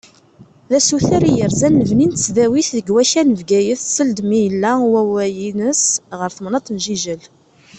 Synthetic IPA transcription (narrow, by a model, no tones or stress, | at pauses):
ðæsuθæɾijəɾzænːəvnint̪ə̥t͡sːðæwiθðəɡwæçænəvɡæjəθsəld̪mijəlːæwæwæjinəsʁəɾθəmnɑt̪ˤnʒiʒəl